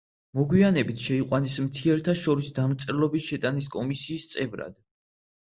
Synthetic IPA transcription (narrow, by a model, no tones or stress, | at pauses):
mɔɡwianɛbit̪ʰʃɛiqʼwanismt̪ʰiɛɾt̪ʰaʃɔɾisd̪amɾt̪sʼɛɾɛlɔbisʃɛt̪ʼaniskʼɔmisiːst̪sʼɛvɾa̰d̪̥